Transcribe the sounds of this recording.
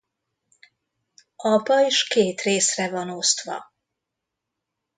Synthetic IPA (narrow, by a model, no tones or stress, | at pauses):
ɒpɒiʃkeːt̪reːsrɛvɒno̞st̪ʋɒ̰